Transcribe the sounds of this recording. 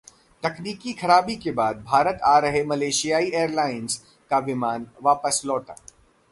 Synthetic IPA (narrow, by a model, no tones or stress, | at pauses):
t̪ɐkniːkixʰɐɾaːbikebaːd̪̚bʱaːɾət̪aːɾɐɦemɐleːʃijaːieːɾlaːɪnz | kaʋɪmaːnʋaːpəslɔːʈa̰ː